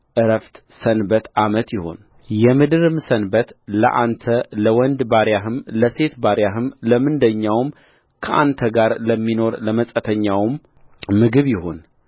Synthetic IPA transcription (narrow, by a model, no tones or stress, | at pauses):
ʔɨɾəft̪ | sənbət̪ʔamət̪jɪho̞n | jɛmɨd̪ɨɾɨmsənbət̪lə̰ʔant̪ʰələwɔnd̪baɾjaɦɨmləse̞t̪baɾjaɦɨmləmɨnd̪əɲːawm | kʰəʔa̰nt̪ʰəɡaɾləmːino̞ɾləməsʼət̪ʰəɲːawɨmː | ɨɡɨβjɪho̞n